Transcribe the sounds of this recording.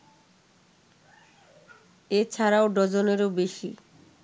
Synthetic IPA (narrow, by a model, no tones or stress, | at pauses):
et͡ɕʰaɾaoɖɔd͡ʑoneɾobeʃi